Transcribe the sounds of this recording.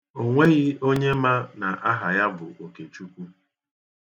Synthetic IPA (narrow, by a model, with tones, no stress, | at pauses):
o˨ŋʷe˦ɣɪ˦o˦ɲe˦ma˦na˨ʔa˦ɦa˨ja˦bʊ˨ʔo˨ke˨t͡ʃu˦kʷu˦